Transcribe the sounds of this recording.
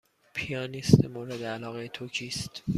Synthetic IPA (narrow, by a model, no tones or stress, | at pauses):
pʰijɒːnist̪emoɾed̪eælɒːɣejet̪ʰocʰiːst̪